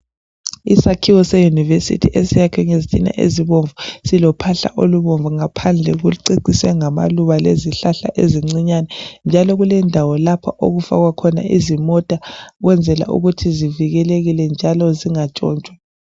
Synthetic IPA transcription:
isakʰiwɔsɛjunivesḭtʰiʔesijakʰɛŋezitʼina̰ʔḛziβoɱvusilɔpʰaɬa̰ʔoluβoɱvuŋapʰand͡ɮʱɛɣuǀiǀiswɛŋama̰luβaleziɬaɬa̰ʔeziŋ͡ǀiɲanɛnd͡ʒʱalɔɣulɛndʱawɔlapʰa̰ʔoɣufa̰ɣwakʰɔna̰ʔizimɔtʼaɣwɛnd͡zʱɛla̰ʔṵɣutʰiziviɣɛleɣilɛnd͡ʒʱalɔziŋat͡ʃʼɔ̰ːnt͡ʃʼwa

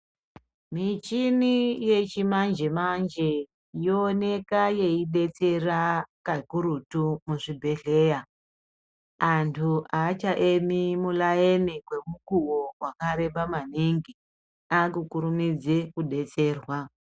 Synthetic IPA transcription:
mit͡ʃinije̞t͡ʃimand͡ʒe̞mand͡ʒe | joːne̞kaje̞iɗe̞t͡se̞rakakuɾutumuʐibʱe̞ɮe̞ja | antʰuʔaːt͡ʃaʔemimulaenikwe̞mukuwowakaɾe̞ɓamaniŋɡi | akukuɾumid͡zekuɗe̞t͡se̞ːrwa

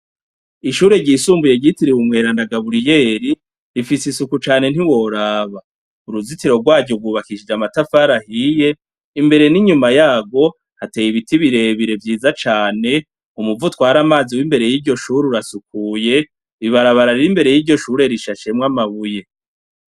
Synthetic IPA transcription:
iʃuːɾe̞ɟisuːmbuje̞ɟitiɾiwumŋe̞ːɾandaɡaβuɾije̞ːɾi | ɾifisisukut͡ʃaːne̞n̥iwo̞ɾaːβa | uɾuzitiɾo̞ɡwaːɟoɡwuːβakiʃid͡ʒamatafaɾahije̞ | imbe̞ɾe̞niɲumajaːɡo̞ | hatejiβitiβiɾe̞βiɾe̞vjiːzat͡ʃaːne̞ | umuvutwaːɾamaːziwimbe̞ɾe̞jiːɾɟo̞ʃuːɾuɾasuk̚uje̞ | βiβaɾaβaɾaɾiɾimbe̞ɾe̞jiːɾɟo̞ʃuːɾe̞ɾiʃaʃe̞mŋamaβuje̞

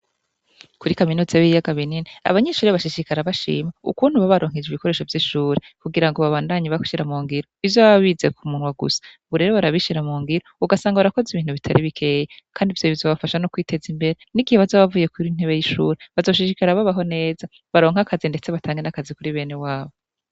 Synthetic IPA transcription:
kuɾikaminuːzeβijaɡaβininia̰βaɲe̞ʃuːɾeβaʃiʃikaɾaβaʃḭːmaṵkuːn̥huβaβaɾo̞ːŋ̥id͡ʒiβiko̞ɾe̞ːʃo̞vjiʃuːɾekuɡiɾaŋɡoβaβaːndaɲiβaku̥ʃiɾamuːŋɡiɾo̞ivjoβaβaβiːze̞kumuːnwaɡṵsḁ | βuɾe̞ːɾoβaɾaβiʃiɾamuːŋɡiɾouɡasaːŋɡauɾako̞ziβiːn̥uβitʰaɾʔiβikʰe̞jekʰaːndivjoivzoβafaʃanokwiːte̞zimbe̞ɾeniɡiheβazoːβavuːje̞kuɾin̥heβe̞jiʃṵːɾe̞βazo̞ʃiʃikaɾaβaβaɦo̞ne̞ːza | βaɾo̞ːŋ̥akʰazinde̞t͡se̞βatʰaːŋɡenakazikuɾiβe̞ːne̞waːβo

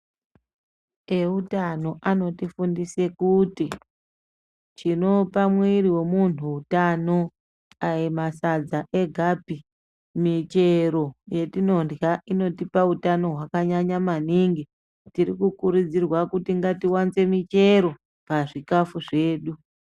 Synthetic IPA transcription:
e̞utano̞ʔano̞tifundise̞kuti | t͡ʃino̞pamwiriwe̞mun̤uutano̞ | ajemasad͡zaʔe̞ɡʱapi | mit͡ʃeɾo̞je̞tino̞ndjaʔino̞tipautano̞ɦwakaɲaɲamaniːŋɡi | tiɾikukuɾud͡zirwakutiŋɡatiwant͡se̞mit͡ʃe̞ɾo̞ | paʐikafuʐe̞ːɗu

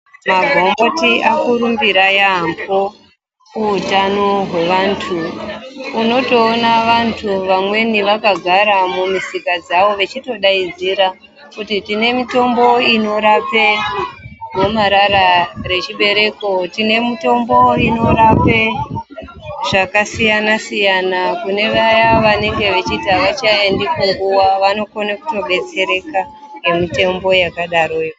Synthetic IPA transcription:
maɡʱombo̞tiʔakuɾumbiɾajaambo | kuutanoɦwe̞ʋantʰuː | no̞to̞ːnaʋantʰuʋamwe̞niʋakaɡʱaɾamumisikad͡zaʋo̞ʋe̞t͡ʃito̞ɗaid͡ziɾa | kutitine̞mito̞mbo̞ino̞ɾape | momaɾaɾare̞t͡ʃiɓe̞ɾe̞ko̞tine̞mito̞mbo̞ino̞ɾape | ʐ̥akasijanasijanakune̞ʋajaʋane̞ŋɡe̞ʋe̞t͡ʃitiɦaʋat͡ʃaendikuŋɡuwaʋano̞konaku̥to̞ɓe̞t͡se̞ɾe̞ka | je̞mite̞mbo̞jakaɗaɾojo

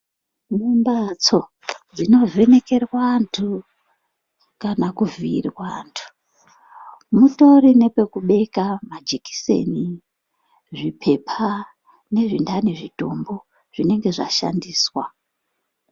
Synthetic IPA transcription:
mumbat͡so̞ | d͡zino̞ve̞ne̞ke̞rwantʰu | kanakuviːrwantʰu̥ | muto̞rine̞pe̞kuɓe̞kamad͡ʒiki̥se̞̰ni | ʐipʰe̞pʰa | ne̞ʐindaneʐito̞mbo̞ | ʐ̥ine̞ŋɡe̞ʐa̰ʃa̰ndiːswa

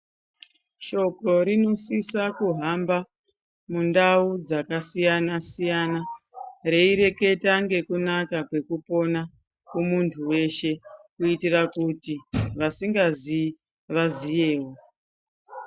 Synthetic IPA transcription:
ʃo̞ko̞ɾino̞sisakuɦamba | mundaud͡zakasijanasijanare̞iɾe̞ke̞taŋɡe̞kunakakwe̞kupo̞na | kumuntʰuwe̞ʃe̞kuitirakutiʋasiŋɡazi | ʋazije̞ːwo̞

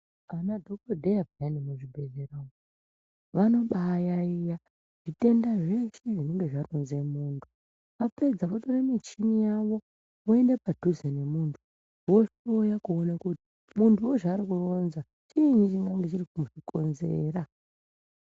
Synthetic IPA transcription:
anadʱok̚odʱejabʱijanimuʐibʱe̞ɮeraŋo | ʋano̞ɓajaija | ʐ̥ite̞ndaʐe̞ʃe̞ʐine̞ŋɡe̞ʐaronze̞muːntʰu̥ | ʋape̞d͡zaʋotoremet͡ʃimijaʋo̞ | oende̞padʱuzene̞muːntʰu | wo̞ʃojakuonakuti̥ | muntʰuwoʐaːɾikuro̞nza | t͡ʃind͡ʒiŋɡaŋɡet͡ʃiɾikumuʐiko̞nze̞ːɾa

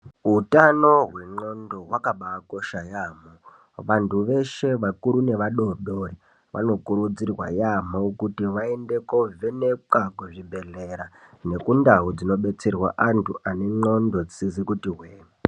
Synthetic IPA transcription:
ɦutano̞ɦwe̞ŋ͡ǃo̞ndoɦwakaɓako̞ʃajaːmo | ʋantuʋe̞ʃe̞ʋakuɾune̞ʋaɗo̞ɗori | ʋʔa̰no̞kuɾud͡zirwa̰jamokutiʋaende̞ko̞venekakuʐibʱe̞ɮeɾane̞kundaɦud͡zino̞ɓe̞t͡serwa̰ʔantʰuʔaneŋ͡ǃo̞ndo̞t͡sizikutiɦweːma

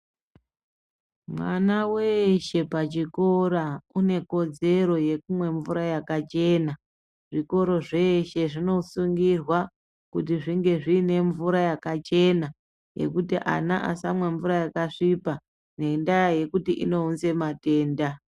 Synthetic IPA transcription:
mwa̰nawe̞ʃe̞pat͡ʃiko̞ɾaune̞ko̞d͡ze̞ɾo̞je̞kumwe̞ɱvuɾajakat͡ʃe̞na | ʐ̥iko̞ɾo̞ʐe̞ʃe̞ʐino̞suŋɡirwa | kutiʐiŋɡe̞ʐiːne̞ɱvuɾajakat͡ʃe̞na | je̞̰kutiʔa̰naʔa̰samwe̞ɱvuɾajakaʂipa | ne̞ndajaje̞kutiʔḭno̞unze̞mate̞ːnda

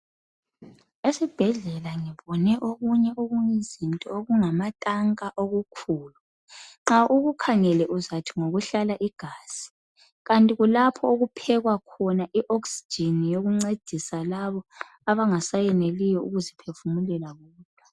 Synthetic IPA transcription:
esib̥ʱɛɮɛlaŋiβɔnɛʔoɣuɲɛʔoɣuɲizintʼɔoɣuŋamatʼaŋkʼaʔoɣukʰuːlu | ŋ͡ǁaʔuɣukʰaŋɛlɛʔuzatʰi̥ŋoɣuɬalaʔiɡ̥ʱaːz̥i̥ | ɣantʼiɣulapʰɔoɣupʰɛɣwakʰɔnaʔiʔoksi̥d͡ʒʱinijoɣuŋ͡ǀed̥ʱisalaβɔ | aβaŋasajɛnelijɔuɣuzipʰefumulɛlaɣuːtʼḁ

